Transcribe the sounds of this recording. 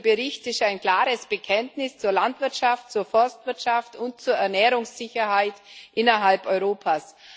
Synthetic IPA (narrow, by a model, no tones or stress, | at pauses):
bəʁɪçtɪstaɪnkl̥aːʁəsb̥əkʰɛntnɪst͡suːɐlantv̥ɪɐtʃaftt͡suːɐfɔɐstv̥ɪɐtʃaftʊnt̚t͡suːɐɛɐnɛːʁʊŋsːɪçɐɦaɪtʔɪnɐɦalpʔɔʏʁoːpʰaːs